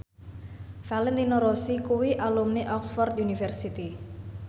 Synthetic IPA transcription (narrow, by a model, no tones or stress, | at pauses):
falɛnt̪inoɾosikuwiʔalumneʔɔksfɔrd̪junifɛrsit̪i